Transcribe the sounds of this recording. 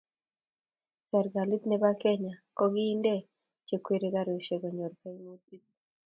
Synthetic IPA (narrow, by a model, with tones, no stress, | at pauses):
sɛ˨ɾɡa˨li˦t̪nɛ˦ba˦kɛ˦ɲa˨kɔ˦ɡɪː˦ndɛ˦ | t͡ʃe˨kwe˦ɾe˦ɡa˦ɾo˨ʃe˨ɡɔ˨ɲɔ˨ɾka˦i˦mo˦ti˦t̚